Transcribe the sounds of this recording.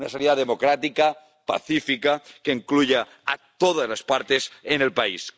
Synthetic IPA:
nasaniðaðemokɾat̪ika | pa̰θifikakeiŋkluʝe | a̰t̪oð̞azlaspaɾt̪esenelpais

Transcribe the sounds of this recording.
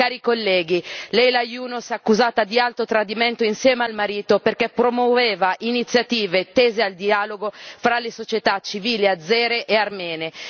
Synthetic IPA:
kaːɾikolːɛːɡilɛjlajuːnosakːuzaːt̪ad̪ialt̪ot̪ɾad̪iment̪oinsjɛːmealmaɾiːt̪operkɛpɾomwoveːvaʔinit̪sːjat̪iːvet̪ːeːzeald̪iaːloɡofɾalesot͡ʃet̪at͡ʃːiviːliad̪zːɛːɾeʔearmɛːne

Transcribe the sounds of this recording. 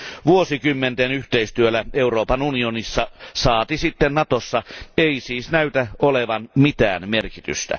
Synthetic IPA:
ʋuosikymːent̪enyht̪eist̪yølæeuroːpɑnunionisːɑsɑːt̪isit̪ːennɑt̪osːɑeisiːsnæyt̪æoleʋɑnmit̪æ̰ːnmerkit̪y̰st̪æ̰

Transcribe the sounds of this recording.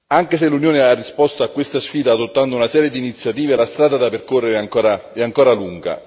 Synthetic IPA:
aŋkes̬elːunjoːnearːispɔst̪oakːwest̪asfiːd̪aːd̪ot̪ːand̪ounasɛːɾjed̪iːnit̪sːjat̪iːvelast̪ɾaːd̪ad̪aperkorːeɾeaŋkoːɾaɛaŋkoːɾaluŋɡa̰

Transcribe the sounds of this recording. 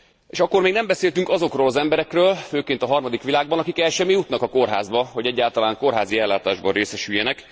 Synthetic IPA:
eːʃɒkːo̞rmeːɡnɛmbɛseːlt̪yŋkɒzo̞kroːlɒzɛmbɛɾɛkrøːlføːkeːnt̪ɒɦɒrmɒd̪ikʋilaːɡ̚bɒnɒkikɛlʃɛmːijut̪nɒkɒko̞rɦa̰ːzbɒɦo̞ɟɛɟːaːlt̪ɒlaːŋko̞rɦaːziɛlːaːt̪aːʒbɒnreːsɛʃyjːɛnɛk

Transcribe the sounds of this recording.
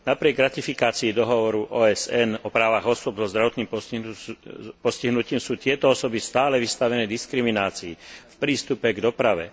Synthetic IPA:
napɾɪɛɡɾat̪ifikaːt͡siːd̪ɔɦɔʋɔɾuʔɔːɛzɛnɔpɾaːʋaɣɔsʊɔbzɔzd̪ɾaʋɔt̪niːm | pɔsciɦnuciːmsuːt̪ɪɛt̪ɔɔsɔbist̪aːlɛʋist̪aʋɛnɛːd̪iskɾiminaːt͡siːfpɾiːst̪upɛɡd̪ɔpɾaʋɛ̰

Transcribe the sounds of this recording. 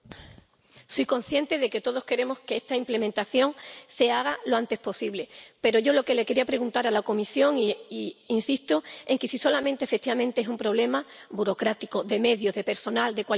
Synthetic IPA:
sojko̞n̟θjẽ̞nt̪e̞ðe̞ke̞t̪o̞ð̞o̞hkeɾe̞mo̞ske̞est̪aimple̞mẽnt̪aθjo̞ŋse̞aɣ̞aloant̪espo̞siβle̞pe̞ɾo̞ʝo̞lo̞ke̞le̞ke̞ɾiapɾe̞ɣunt̪aɾalako̞misjo̞ŋiinsist̪oe̞ŋkesiso̞lamẽ̞nt̪efek̚t̪iβamẽnt̪eesumpɾo̞β̞le̞mabuɾo̞kɾat̪ikoðe̞me̞ðjo̞ɦðe̞pe̞ɾso̞nald̪e̞kwa

